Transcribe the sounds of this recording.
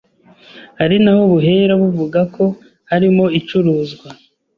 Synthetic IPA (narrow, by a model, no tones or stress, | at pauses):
haɾinahoβuɦe̞ɾaβuvuɡako̞ | haɾimo̞it͡ʃuɾuːzɡwa